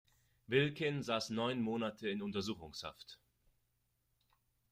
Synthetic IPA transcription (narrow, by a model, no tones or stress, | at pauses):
vɪlkɪnzaːsnɔʏnmoːnatʰəɪnʊntɐzuːxʊŋsha̰ft